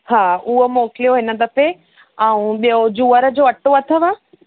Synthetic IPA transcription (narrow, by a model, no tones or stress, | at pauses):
haːuɦomoːkɪlijoɦɪnə̆d̪ɐpe | aũɓijod͡ʑuːəɾə̆d͡ʑoːɐʈoɐt̪ʰəʋaː